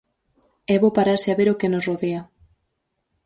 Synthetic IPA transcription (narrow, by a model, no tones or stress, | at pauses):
ɛβopaɾaɾsɪaβeɾokenosroðea